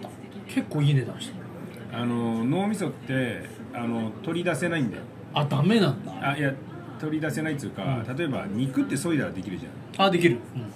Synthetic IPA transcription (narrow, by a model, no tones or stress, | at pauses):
kʰe̞kːoːined̪aɕi̥t̪ | ano̞no̞ːmʲiso̞t̪ːe̞ | ano̞t̪o̞ɾʲid̪ase̞naĩnd̪a̰jo̰ | ad̪ame̞nãnd̪aaja | t̪o̞ɾʲid̪ase̞nait̪ojɯ̟ka̰t̪at̪o̞e̞ba̰ɲ̟ikɯ̟t̪ːe̞so̞id̪aɾad̪e̞kʲiɾɯ̟ʑã̰ | ad̪e̞kʲiɾɯ̟ɯ̃ɴ